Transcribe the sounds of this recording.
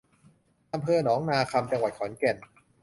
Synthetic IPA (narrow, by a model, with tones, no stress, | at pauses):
ʔa˧mpʰɤː˧nɔː˩˦ŋnaː˧kʰa˧mt͡ɕa˧ŋwa˨˩t̪̚kʰɔː˩˦nke˨˩n